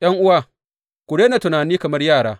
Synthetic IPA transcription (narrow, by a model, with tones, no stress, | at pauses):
j̰ɐ˦ŋʔʊ˦waː˦˨ | kʷʊ˨ɽeː˦naː˨tʊ˨naː˨niː˦kɐ˨mɐ˦rjaː˦˨ɽaː˦